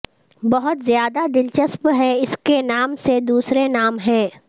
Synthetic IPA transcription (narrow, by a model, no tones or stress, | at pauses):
bɐɦʊt̪zjaːd̪ad̪ɪlt͡ʃəspɦɛɪskenaːmsed̪uːsɾenaːmɦɛ̃ː